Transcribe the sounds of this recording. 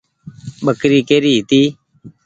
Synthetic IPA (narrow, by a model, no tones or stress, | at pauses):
ɓəkɾiːkeːɾiːɦɪt̪iː